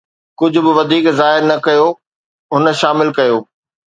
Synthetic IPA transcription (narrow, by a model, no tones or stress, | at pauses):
kʊd͡ʑʱʊ̆bɪʋɐd̪ʱiːkzaːɦɪɾnɐkɐjo | ɦʊnə̆ʃaːmɪlkɐjoː